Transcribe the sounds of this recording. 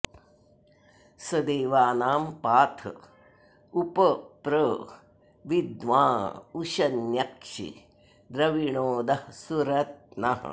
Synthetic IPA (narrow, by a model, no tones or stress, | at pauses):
sɐd̪eːʋaːnaːmpaːt̪ʰɐ̰ | upɐpɾə | ʋid̪ʋãːuʃɐnjɐkʂḭ | d̪ɾɐʋiɳoːd̪ɐsuɾɐt̪̚nɐɦɐ̰